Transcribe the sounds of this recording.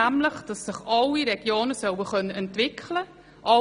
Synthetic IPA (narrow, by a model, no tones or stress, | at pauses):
æmləχd̥ɑsːɪχɑlːiɾɛɡ̥joːnəsœwəχœnːəʔɛntʋɪkʰlə | ʔɑ